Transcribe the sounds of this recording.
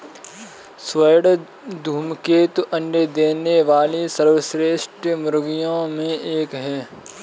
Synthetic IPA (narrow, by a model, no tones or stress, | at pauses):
sʋəjɽ | d̪ʱuːmkeːt̪oʔɐ̃ɳɖed̪eːneʋaːlisəɾʋəsɾeːʃʈjəmʊɾɡijõmẽeːkɦɛː